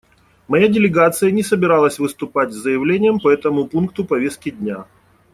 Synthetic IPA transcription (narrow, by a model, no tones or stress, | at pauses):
mɐjadʲɪlʲɪɡat̪sɨjənʲɪsəbʲɪɾalˠəsʲvɨst̪ʊpatʲzəjɪvlʲenʲɪjəmpɐɛt̪əmʊpunk̚t̪ʊpɐvʲe̞st̪̚kʲɪdʲnʲa